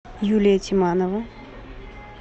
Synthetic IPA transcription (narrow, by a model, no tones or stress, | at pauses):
julʲijətʲʰimanəvə